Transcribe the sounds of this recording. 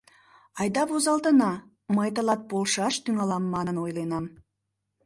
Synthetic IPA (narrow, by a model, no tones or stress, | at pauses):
ɑjd̪ɑpozɑlˠt̪ənɑ | mɑjt̪əlˠɑt̪̚bolˠʃɑʃt̪yŋɑlˠɑmːɑnənojlˠenɑm